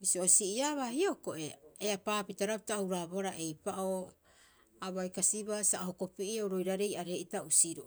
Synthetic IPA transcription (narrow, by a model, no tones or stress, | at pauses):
bisiosiʔiaβahioko̞ʔe̞eapaːpitaɾapitawɾaboɾaʔe̞jpaʔo | aβajkasiβasaɦo̞ko̞piʔiowɾo̞jɾaɾe̞jaɾe̞ʔitausiɾo